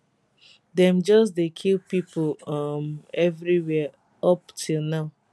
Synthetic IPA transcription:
dɛ̃md͡ʒɔs̬dekʰilpipolʌmɛvɾiwɛ | ɔptʰunaʊ

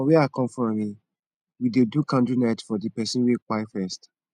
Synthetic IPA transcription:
ɔweakɔ̃mfɹɔ̃mĩ | widedukãndunatfɔdipɛsĩwekaɪfɛst

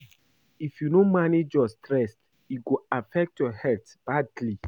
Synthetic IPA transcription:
ifjunõmaned͡ʒjɔstɾɛs | iɡoafɛk̚tjɔhɛlt | b̥adli

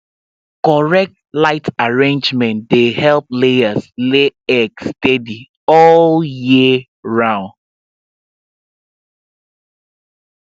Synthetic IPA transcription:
kɔɹɛk̚tlaɪtaɹẽnd͡ʒmɛ̃ndehɛlˠp̚leəsleɛkstɛdi | ɔljiə | ɹãʊ̃nd

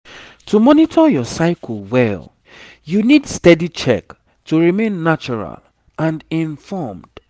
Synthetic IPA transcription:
tʰumɔnitʰɔjɔsaɪkʰl̩wɛl | junidstɛdit͡ʃɛ̰k | tuɹimẽnːat͡ʃɔɹa̰l | ãndĩɱfɔmd̥

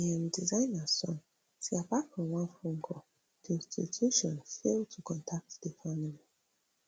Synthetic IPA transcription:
iãmdizãɪ̃nasɔ̃ŋ | siapafɔ̃nwãnfũŋɡɔ | d̥iĩnstʰḭtʰuʃɔ̃nfeltʰukʰɔ̃ntʰak̚tdefamili

